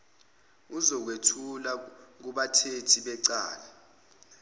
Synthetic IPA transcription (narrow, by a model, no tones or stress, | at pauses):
uzɔk̬wetʰulak̬uɓatʰetʰiɓɛǀaːla